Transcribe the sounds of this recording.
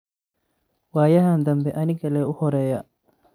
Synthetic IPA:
waːjɐɦaːnd̪ɐmbɛʔɐnɪɡɐlɛːʊhɔɾɛːjɐ

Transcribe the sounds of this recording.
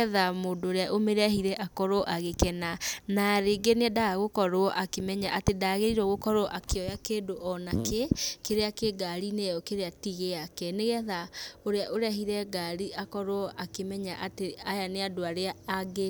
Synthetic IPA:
ɛðamoːndoɾeaʔomeɾahiɾɛʔakɔɾoɔʔaɣekɛnanaɾeɡeneadaɣaɣokɔɾoɔʔakemɛɲaʔatedaːɣeɾiɾɔɣokɔɾoʔakeɔjakeːdoʔɔnakekeɾeakeɡaɾinejɔkeɾeatiɣeakɛneɣɛðaoɾeaʔoɾeaɦiɾɛɡaɾiʔakɔɾwɔʔakemɛɲaʔateajaneadoaɾeaːɡe

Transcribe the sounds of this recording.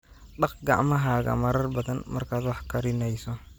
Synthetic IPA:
ɗɑqɡɑ̰ʕmɐɦaːɣɐ̰mɐɾɐrbɐðɐnmɐrkʰaːd̪wɑħkʰɐɾɪnɛjsɔ

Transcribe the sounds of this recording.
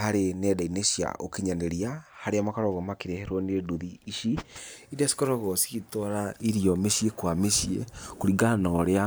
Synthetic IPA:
haɾenɛdaineʃja̰ʔokeɲaneɾiahaɾeamakaɾɔɣɔmakeɾeheɾonedoðiːʃiidasi̥kɔɾɔɣɔsi̥ɣitɔɾaiɾiɔmeʃiekwameʃiḛkoɾiɡanɔɾea

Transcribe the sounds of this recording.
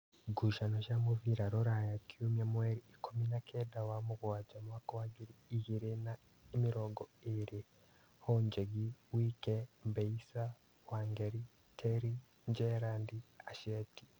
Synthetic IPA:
ɡuʃanoʃamuviɾaɾoɾajakiumamweɾiikʰominakʰedawamuɡwwad͡ʒamuwakowaɡiɾiːhiɾena | imiɾoɡoeɾe | hoɲd͡ʒeɡiwiːkembeisa | waːŋɡeɾi | tʰeɾi | ɲd͡ʒeɾandiaʃeti̥

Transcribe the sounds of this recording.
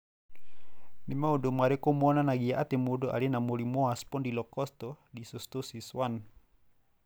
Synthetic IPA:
nimaudomaɾekɔmuɔnanaɡiaʔat̪emudoʔa̰linamolimɔaspɔndilɔkɔst̪ɔdisɔst̪osiswan

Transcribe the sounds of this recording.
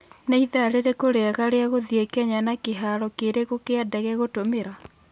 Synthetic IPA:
naiðaɾeɾekoɾeaɣaɾeaɣoðiekɛɲanakeɦaɾɔkeɾeɣokeadɛɣɛɣotomeɾa

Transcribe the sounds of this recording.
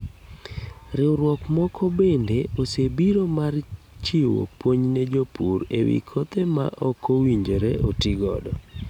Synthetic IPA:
ɾɪwɾwɔkmɔkʰɔbendeosebiɾomar | t͡ʃiwo̰pwoɲned͡ʒopʰuɾḛwḭkʰot̪ema̰ʔɔkʰowiɲd͡ʒeɾeotiɡɔ̰dɔ

